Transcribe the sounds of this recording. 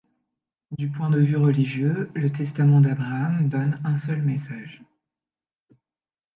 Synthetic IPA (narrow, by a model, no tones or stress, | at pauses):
d̪ypwɛ̃d̪əvyʁəliʒjølət̪ɛst̪amɑ̃d̪abʁaːmd̪ɔnɛ̃sœlmɛsaʒ